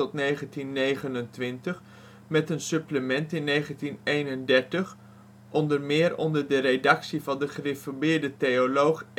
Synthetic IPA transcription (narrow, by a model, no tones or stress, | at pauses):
ɔtnejχəntinːejχənəntʋɪntəχ | mɛtənsɵpləmɛntɪnːejχəntinejnəndɛɹtəχ | ʔɔndəɹmɪːɾɔ̰ndəɹdəɾedɑksivɑndəχərɪfəɹbɪːɹdətejolowχ